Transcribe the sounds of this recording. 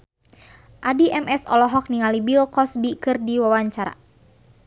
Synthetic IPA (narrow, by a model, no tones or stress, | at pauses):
ʔadiʔɛmɛsɔ̰lɔɦɔk̚niŋalibilkɔsbikɨrdiwawaɲt͡ʃaɾa̰